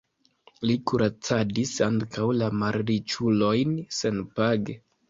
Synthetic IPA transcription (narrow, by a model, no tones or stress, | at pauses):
likuɾʔat͡sadisaŋkawlamaɾɾit͡ʃulo̞jnse̞npaɡe